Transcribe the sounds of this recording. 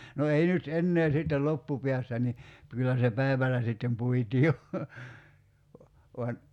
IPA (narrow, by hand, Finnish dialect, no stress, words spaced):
no ei nyt enːeː sitːel lopːupiæsːæ ni kylːæ se pæiʋælæ sitːem puitiː jo ʋoɑn